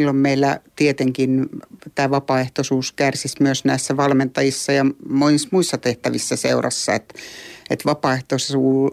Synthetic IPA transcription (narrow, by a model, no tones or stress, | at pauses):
lːommeilːæt̪iet̪eŋkint̪æːʋɑpɑːeht̪osuːskærsismyøsnæisːæʋɑlment̪ɑjisːɑjɑmonismuisːɑt̪eht̪æʋisːæseurɑ̰sːɑ̰et̪et̪ʋɑpɑːeht̪ossuː